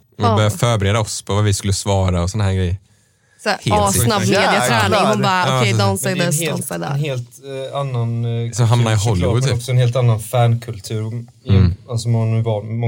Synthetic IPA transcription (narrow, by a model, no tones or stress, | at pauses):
œɾjafœːɾbɛɾeːd̪aɔspʰɔvavɪskɵlːəsvɑːɾaɔsɔnaɦæːɾɡɾɛjːəɾ | sheːlsnaeːd̪ɪad̪ʊmbɑːɾːɛd̪ɔnsɛɡd̪ɛhelɛnɦeːlt̪anːansɔɦamnaɾɪɦɔlːɪʊɔksɔɛnheːlt̪anːanfæːnkʰɵlt̪ʰʉ̟ːɾ | alsɔmnːʉvɑmɔ